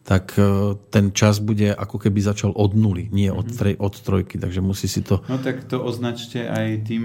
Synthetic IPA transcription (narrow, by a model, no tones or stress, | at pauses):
t̪akt̪ɛnt͡ʃazbuɟɛʔakɔkɛbizat͡ʃalʔɔd̪nuliɲɪɛʔɔt̪t̪ɾɛjʔɔt̪st̪ɾɔjkit̪aɡʒɛmusiːsit̪ɔnɔt̪akt̪ɔʔɔznat͡ʃcɛʔajt̪iːm